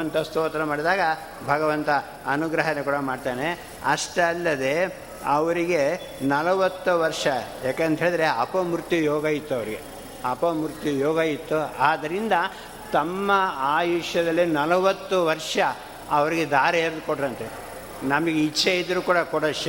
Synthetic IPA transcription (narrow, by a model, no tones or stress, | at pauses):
ɐnt̪ɐst̪oːt̪ɐɾɐmaːɽid̪aːɡɐ | bʱɐɡɐʋɐnt̪ɐ | ɐnuɡɾɐɦɐnekuːɽɐmaːɖt̪aːne | ɐʂʈɐlːɐd̪e̞ | ɐʋɐɾiɡe̞ | nɐlɐʋɐt̪ːuʋɐɾʂɐjaːkent̪ɐɦeːɭid̪ɾe̞ɐpɐmuɾt̪jujɔːɡɐjit̪ːuɐʋɐɾiɡe̞ | ɐpɐmuɾt̪jujɔːɡɐit̪ːuaːd̪ɐɾind̪ɐ | t̪ɐmːɐaːjuʂjɐd̪ɐlːinɐlɐʋɐt̪ːuʋɐɾʂɐ | ɐʋɐɾiɡed̪aːɾɐeɾd̪koɖɾɐnt̪e | nɐmɐɡeit͡ʃʰːeid̪ːɐɾuːkuːɽɐkɔɽɐʃ